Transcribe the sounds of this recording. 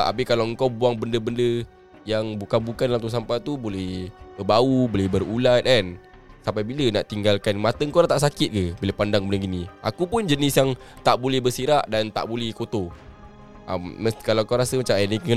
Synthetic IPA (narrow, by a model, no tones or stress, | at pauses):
ʔa̰pɪkalawəŋkawbuaŋbəndəbəndə | jaŋbukanbukandalamt̪us̬ampat̪ubolɛhbərbaubolɛhbərulat̪̚ɛn | sampajbiləna̰ʔt̪iŋɡalkanmat̪əŋkowɾat̪aʔsakɪt̪̚kəboləpandaŋbənəɡinĩʔa̰kupʊnd͡ʒənɪsjaŋ | t̪aʔbolɛhbərsiɾaʔdant̪a̰ʔbolɛhkot̪o | ʔa̰mːəskalawŋkawɾasəmat͡ʃamənikə